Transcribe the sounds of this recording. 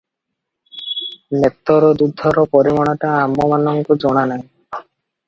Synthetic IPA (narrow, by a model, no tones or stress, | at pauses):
net̪ːɔɾɔd̪ud̪ʱːɔɾɔpɔɾimɔɽ̃ɔʈaːmːɔmanɔŋkud͡ʒɔɽ̃anaj